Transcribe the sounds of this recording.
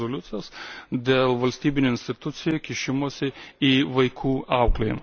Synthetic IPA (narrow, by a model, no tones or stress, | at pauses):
oːlʲʊt̪sʲɪjoːsd̪ʲeːlˠʋɐlʲsʲt̪ʲiːbʲɪnʲuːɪnʲsʲt̪ʲɪt̪ʊt̪sʲɪjukʲɪʃʲɪmuːsʲɪiːʋɐɪkʰuːʔɐʊklʲɛɪmɐ